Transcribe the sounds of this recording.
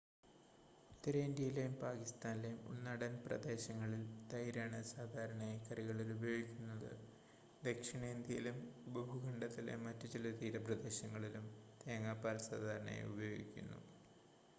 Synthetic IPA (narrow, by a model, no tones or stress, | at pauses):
t̪ːɐɾɐind̪ʲjɐjilejumpaːkist̪aːnilejumṵnːɐɽɐnprɐ̰d̪e̞ːɕɐŋːɐɭild̪ɐjɾaːɳɐsaːd̪ʱaːɾɐɳaːjkɐriɣɐɭilubɐjo̞ːɡikʲːunːɐðɨ̰ | d̪e̞kʂiɳeːnd̪jijilumubɐbʱuɡʱɐɳɖɐt̪ːilḛmːɐtːut͡ɕilɐt̪iːɾɐprɐd̪e̞ːɕɐŋːɐɭilumt̪eːɐŋaːpːaːlsa̰ːd̪ʱaːɾɐɳa̰ːj̰ubɐjo̞ːɡḭkʲːṵnːṵ